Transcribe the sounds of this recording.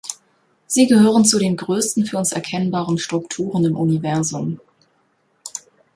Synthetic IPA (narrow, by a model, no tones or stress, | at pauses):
z̥iːɡəhøːʁ̞ənt͡suɾeːnɡʁøːstn̩fyːɐʊnsɛɐkʰɛnbaːʁənʃtʁ̥ʊktʰuːʁənɪmʔunivɛɐzʊm